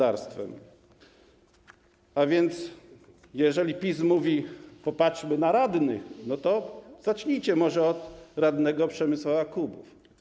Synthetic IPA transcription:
aɾst̪fɛ̰m | avʲjɛnt̪s | jɛʐɛlʲipʲismuvʲipɔpatʂmɘnaɾad̪nɘxnɔt̪ɔz̥att͡ʂɲet͡ɕɛmɔʐɛɔd̪ɾad̪nɛɡɔpʂɛmɘswaaklubuf

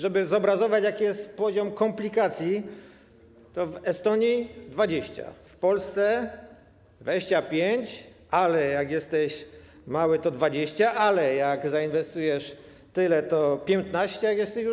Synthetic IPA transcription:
ʐɛbɘzɔbɾazɔvat͡ɕjakʲijɛst̪pɔʑɔmkɔmplʲikat̪sʲji | t̪ɔvɛst̪ɔɲid̪vad͡ʑeɕt͡ɕa̰fpɔlst̪sɛ | vɛɕt͡ɕapʲjeɲt͡ɕ | alɛjaɡʲjɛst̪ɛɕ | mawɘt̪ɔd̪vad͡ʑeɕt͡ɕaʔalɛjaɡzainvɛst̪ujɛʂ | t̪ɘlɛt̪ɔpʲjɛnt̪naɕt͡ɕɛjakjɛst̪ɛ

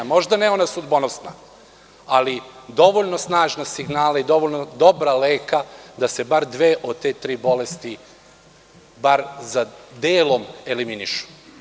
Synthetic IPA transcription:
mo̞ʒd̪anɛo̞nasud̪bonosna̰ | alid̪o̞ʋoʎno̞snaːʒnasiɡnaːlaid̪o̞ʋoʎnod̪o̞bɾaleːkad̪ase̞baɾd̪ʋeːʔod̪̚t̪eːt̪ɾiːbo̞lest̪i | baɾzad̪eːlo̞me̞liminiʃu̥

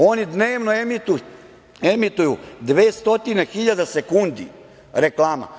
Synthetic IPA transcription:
o̞nid̪neːʋnoemit̪u | emit̪ujud̪ʋeːst̪o̞t̪inexiʎad̪asekund̪ḭ | ɾeklˠaːma̰

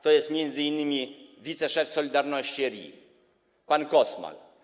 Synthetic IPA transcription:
t̪ɔjɛst̪mjɛnd̪zɘinːɘmʲivʲit̪sɛʂɛfsɔlʲid̪aɾnɔɕt͡ɕiɾʲḭ | pankɔsma̰l

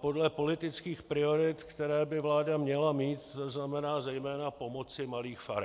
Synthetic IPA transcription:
po̞dlɛpo̞lɪt̪ɪt͡skiːxpɾɪo̞ɾɪt̪kt̪ɛɾɛːbɪvlaːdamɲɛlamiːt̪ːoznamɛnaːzɛjmɛːnapo̞mo̞t͡sɪmaliːxfaɾ

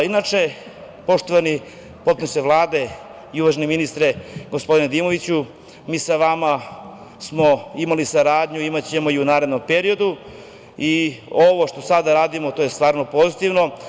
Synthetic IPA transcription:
inat͡ʃe̞ | po̞ʃt̪o̞ʋani | po̞t̪pnuseʋlˠaːd̪e̞ | iuʋaʒeneminist̪ɾe̞ɡo̞spo̞d̪ined̪iːmo̞ʋit͡ɕu | miːsaʋama | smo̞imalisaɾaːd̪ɲuimat͡ɕe̞mo̞iunaːɾe̞d̪no̞mpeɾio̞d̪u | ioʋo̞ʃt̪o̞sad̪aɾaːd̪imot̪oːje̞st̪ʋaːɾno̞po̞zit̪iʋno̞

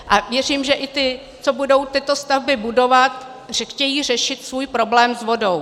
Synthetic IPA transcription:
ʔavjɛr̝iːmʒɛʔɪt̪ɪ | t͡so̞budo̞wt̪ɪt̪o̞st̪avbɪbudo̞vat̪̚ | rxcɛjiːr̝ɛʃɪt̪svuːjpɾo̞blɛːmzvo̞do̞w

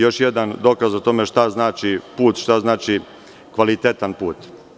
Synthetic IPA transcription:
jo̞ʃjed̪and̪o̞ːkazot̪o̞meʃt̪aznaːt͡ʃipuːt̪ʃt̪aznaːt͡ʃi | kʋalit̪et̪anpuːt̪

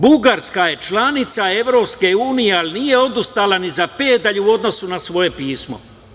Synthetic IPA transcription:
buɡaɾskaje̞t͡ʃlanit̪sae̞ʋɾo̞ːpske̞uːnijealinije̞o̞d̪ust̪alanizapeːd̪aʎuo̞d̪no̞sunasʋo̞je̞piːsmo̰

